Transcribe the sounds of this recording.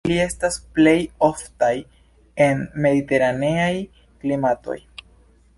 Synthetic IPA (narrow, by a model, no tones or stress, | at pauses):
lie̞stasple̞jo̞ftaj | e̞nme̞d̪ite̞ɾane̞aj | klimato̞̰j